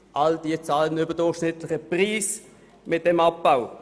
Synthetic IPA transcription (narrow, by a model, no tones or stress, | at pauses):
ʔald̥iət͡saːlənybədʊχʃnɪtlɪçəpʁiːs | mɪt̚d̥ɛmɑp̚b̥aʊ